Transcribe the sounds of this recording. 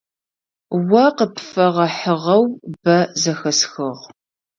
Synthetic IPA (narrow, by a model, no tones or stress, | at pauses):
wɐqəpfɐʁɐħəʁɐwbɐzɐxɐsxɨʁ